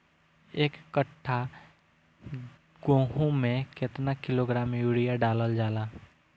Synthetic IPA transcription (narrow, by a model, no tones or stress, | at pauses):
eːkːəʈʰːa | ɡoːɦõmẽket̪nakɪloːɡɾaːmjuːɽijaɖaːləld͡ʒaːlaː